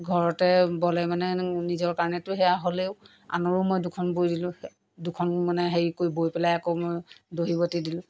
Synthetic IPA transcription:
ɡʱɔɹɔtɛbɔlɛmanɛnizɔɹkaɹnɛtʊɦɛaɦoleʊ | a̰nɔɹʊmojdʊkʰɔnbojdilʊ̃ | dukʰɔnmanɛɦeɹikojbojpɛlajakomojdoɦibɔtidilʊ̃

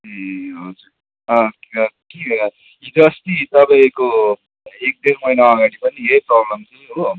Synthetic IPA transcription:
eɦod͡zuɾ | ʌkʌki | ĩd̪ʌsʈit̪ʌpaĩko | ek̚d̪iɾmʌjnaːɡaɽipʌniɦejprɔblʌmt̪ʰʌɦo

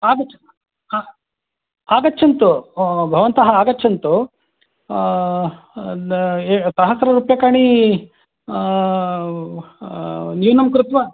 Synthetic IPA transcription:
aːɡɐt͡ʃɐ | aːɡɐtːt͡ʃʰɐnt̪ubʱɐʋɐnt̪ɐɦɐaːɡɐtːt͡ʃʰɐnt̪u | sɐɦɐsɐɾɐɾuːpjɐkaːɳi | njuːnɐmkɾut̪ʋɐ

